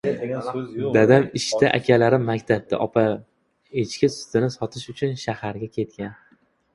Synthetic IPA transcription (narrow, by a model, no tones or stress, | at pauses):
dd̪ad̪amɪʃt̪aʔa̰kʲʰalaɾɪmakʲt̪ʰab̚d̪ʰa̰ʔɒpʰa | et͡ʃkʲɪsʊ̥t̪ɪnɪsɒt̪ʰɪʃʊt͡ʃʰʊnʃahaɾɡʲakʲʰe̞t̪̚kʲan